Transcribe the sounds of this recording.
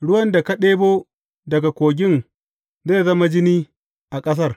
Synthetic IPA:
ɽʊ˦wɐ˦nda˨ka˦ɗeː˦boː˦ | dɐ˨ɡa˨kʷoː˨ɡʲɪ˦n | zeː˦˨zɐ˦ma˦d͡ʒɪ˦niː˦ | ʔa˨kʼɐ˦s̬ɐ˦˨r

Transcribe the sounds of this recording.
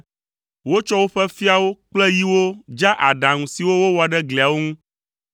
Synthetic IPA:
wo˦t͡ʃɔ˦wo˦ɸɛ˦fi˦a˨wo˦k͡plɛ˦ji˦wo˦d͡ʒa˦ʔa˨ɖã˨ŋũ˨si˨wo˦wo˦wɔ˨a˨ɖɛ˦ɡlɛ˨a˨wo˦ŋũ˦

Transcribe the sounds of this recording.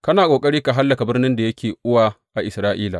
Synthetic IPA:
kɐ˦naː˨kʼoː˨kʼɐ˦ɾiː˦ka˨ɦa˦lːɐ˨ka˨bɪ˦rnɪ˦nda˨jɐ˦kʲʰeː˨ʔʊ˦waː˦˨ | ʔa˨ʔɪ˨sɾaː˦ʔiː˦la̰˨

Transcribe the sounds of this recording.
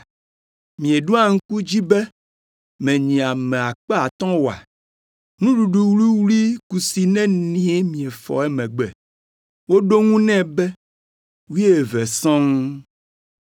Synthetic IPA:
mĩ˨e˨ɖu˦a˨ŋ̩˦ku˦d͡ʑi˦bɛ˦ | mɛ̃˨ɲĩ˨a˨mɛ̃˨a˨k͡pe˦a˨t̪ɔ̃˦wo˨a̰˨ | nũ˦ɖu˨ɖu˨wli˦wli˦ku˨si˨nɛ̃˦nĩ˦e˦mĩ˨e˨fɔ̰˨ɛ˦mɛ̃˨ɡ͡bɛ˨ | wo˦ɖo˦ŋũ˦nɛ̃˦bɛ˦ | wi˦e˦e˨vɛ˨sɔ̃˦ŋ

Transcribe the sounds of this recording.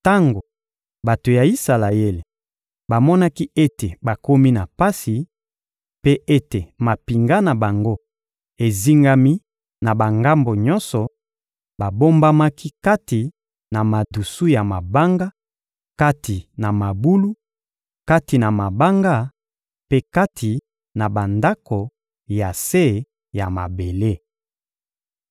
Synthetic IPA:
ta˦ŋɡo˨ | ba˨to˨ja˨i˦sa˨la˨je˦le˨ | ba˨mɔ˦na˦ki˦e˦te˨ba˨ko˦mi˦na˨pa˦si˨ | pe˦ʔe˦te˨ma˨pi˨ŋɡa˦na˨ba˨ŋɡo˦ | e˨zi˦ŋɡa˦mi˦ | na˨ba˨ŋɡa˦mbo˨ɲɔ˦nsɔ˨ | ba˨bo˦mba˦ma˦ki˦ka˦ti˨ | na˨ma˨du˨su˦ja˨ma˨ba˦ŋɡa˦ | ka˦ti˨na˨ma˨bu˦lu˦ | ka˦ti˨na˨ma˨ba˦ŋɡa˦ | pe˦ka˦tʰi˨ | na˨ba˨nda˦ko˨ | ja˨se˦ | ja˨ma̰˨be˨le˦˨

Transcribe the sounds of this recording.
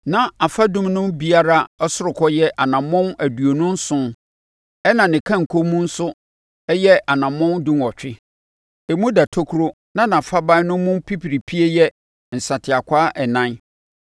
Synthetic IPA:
nã˨a˨fa˦dʊ̃˦mnʊ̃˦mbi˦a˦ɾa˦ɔ˦sʊ˦ɾʊ˨kʰɔ˦jɛ˦ʔa˨nã˨mɔ̃˦næ˨du˨o˨nʊ̃˦n̩˦sʊ̃˦n | ɛ˦nã˨nɪ̃˨kʰã˦˨ŋ̩˨kʰo˦mũ˦n̩˦sʊ˦ | ɛ˦jɛ˦ʔa˨nã˨mɔ̃˦ndũ˦mɔ˨t͡ɕᶣɪ˦ | ɛ˨mũ˦da˨tʰo˦kʰu˦ɾo˦ | nã˦nã˨fa˦bã˦nʊ̃˦mʊ̃˦pʰi˦pʰi˨ɾi˨pʰi˦e˦jɛ˦ | n̩˨sa˨tʰɪ˨a˨kʷʰaː˦ʔɛ˨nã˦n

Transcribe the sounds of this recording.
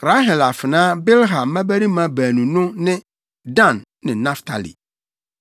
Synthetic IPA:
ɾa˦ɦɛ˨la˨fɪ˨nãː˦bɛ˦lɦã˨mːã˦bæ˦ɾi˦mã˨bæː˨nũ˨nʊ̃˦nɪ̃˦ | dã˦˨n | nɪ̃˨nã˦ftʰa̰˨lḭ˨

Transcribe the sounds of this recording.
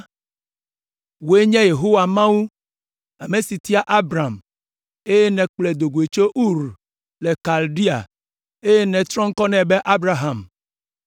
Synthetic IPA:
wo˨e˦ɲɛ̃˦je˨ɦo˦wa˨mã˦wu˦ | a˨me˨si˨t̪i˦a˦ʔa˦bɾa˨m | e˦je˦nɛ̃˨k͡plɛ˨d̪o˨ɡo˨e˨t͡ʃo˦ʔu˦ɾ | le˨ka˨lɖi˦a̰˨ | e˦je˦nɛ̃˨t̪ɾɔ̃˦ŋ̩˦kɔ˦nɛ̃˨bɛ˦ʔa˦bɾa˨ɦa˨m

